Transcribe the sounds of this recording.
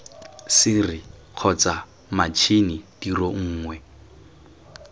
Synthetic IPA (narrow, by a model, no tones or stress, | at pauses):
sɪrɪq͡χʰɔt͡sa | mat͡ʃʰinid̥iroŋ̩ːŋwɛ